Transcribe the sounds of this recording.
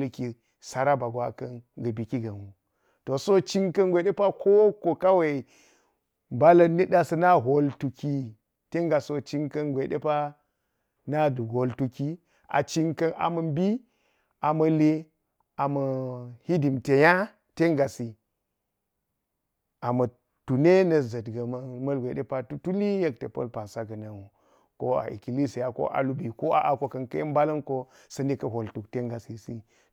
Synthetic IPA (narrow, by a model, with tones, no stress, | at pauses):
lki˨ | sa˨ɾa˦ba˨ɡwa˦kɐ˦nɡɐ˨bi˨ki˦ɡɐ˨nu˨ | to˨so˦t͡ʃi˦ŋkɐ˦nɡʷe˨ɗe˦pa˦ko˦ko˨ka˦we˨ | ba˦lɐ˦nːi˦ɗa˨sɐ˦na˦ɦo˨ltu˨ki˦ | te˦ŋɡa˨so˦t͡ʃi˦ŋkɐ˦nɡʷe˨ɗe˦pa˦ | na˦du˨ɡo˨ltu˨ki˦ | a̰˨t͡ʃi˦ŋkɐ˦nʔa̰˨mɐ˨mbi˦ | a˨mɐ˨le˦ | a˨mɐ˨hi˦di˨mte˨ja˦ | te˦ŋɡa˨si˨ | a˨mɐ˨ | tu˨ne˦nɐ˨zɐ˨dɡa˨m˦mɐ˦lɡʷe˨de˦pa˦tu˦tu˦li˦je˦k̚te˨pɐ̰˦lpa˨nsa˦ɡɐ˨na˨nu˨ | ko˦a̰˨ʔḭ˨ki˨li˦si˨ja˦ko̰˦ʔa̰˨lu˦bi˨ko˦a̰˦ʔa˨ko˦kɐ˦nkɐ˦i˦mba˦lɐ˦nko˦ | sɐ˦ne˦kɐ˦ɦo˨ltu˨kte˦ŋɡa˨si˨si˦